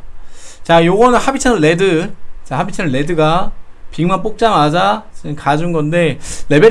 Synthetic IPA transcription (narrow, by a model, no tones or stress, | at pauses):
t͡ɕajoɡʌnɯnhabit͡ɕʰʌnɯɭːe̞dɯt͡ɕahabit͡ɕʰʌnɯɭːe̞dɯɡapiŋmap͈ok̚t͡ɕ͈amad͡ʑat͡ɕnkad͡ʑunɡʌnde̞le̞be